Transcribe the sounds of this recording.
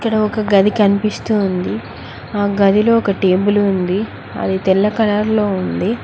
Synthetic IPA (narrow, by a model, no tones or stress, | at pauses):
ikːɐɽɐɔkɐɡɐd̪ikɐnipist̪und̪i | aːɡɐd̪ilo̞ːɔkɐʈeːbulund̪i | ɐ̰d̪it̪ɛlːɐkɐlaːɾlo̞ːund̪i